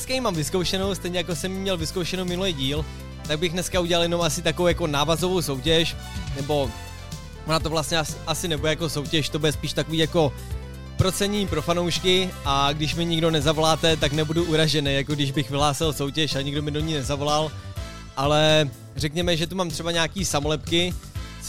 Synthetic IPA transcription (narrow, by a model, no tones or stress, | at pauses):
skajimaːmvɪskowʃɛno̞wst̪ɛjɲɛjako̞sɛmjimɲɛlvɪskowʃɛnowmɪnulɛjɟiːl | t̪aɡ̚bɪxnɛskauɟɛlaljɛno̞masɪt̪akovowjako̞naːvazo̞vo̞wso̞wcɛʃ | nɛbo̞ | ʔonat̪ovlast̪ɲɛasʔasɪnɛbudɛjako̞so̞wcɛʃt̪o̞budɛspiːʃt̪akoviːjako̞ | pɾo̞t͡sɛɲipɾo̞fanowʃkɪʔaɡdɪʃmɪɲɪɡdo̞nɛzavo̞laːt̪ɛt̪aknɛbuduʔuɾaʒɛnɛjjakoɡdɪʒbɪxvɪɦlaːsɪlso̞wcɛʃaɲɪɡdo̞mɪdoɲiːnɛzavo̞lal | ʔalɛ | rɛkɲɛmɛʒɛt̪umaːmt̪r̥ɛbaɲaːkiːsamolɛpkɪ